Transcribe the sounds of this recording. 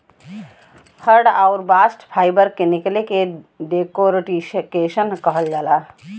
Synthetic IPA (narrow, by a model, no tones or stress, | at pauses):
həɾɖaʊɾbaːsʈpʰaːɪbəɾkenɪkleke | ɖeːkoɾʈiʃkeːʃənkəɦəld͡ʒaːla